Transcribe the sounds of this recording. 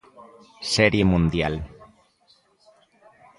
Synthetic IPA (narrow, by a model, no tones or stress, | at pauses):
seɾjemũnd̪jal